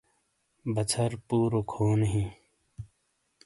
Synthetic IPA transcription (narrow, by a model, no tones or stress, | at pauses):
bɐt͡sʰɐɾpuːɾokʰoːnɦĩː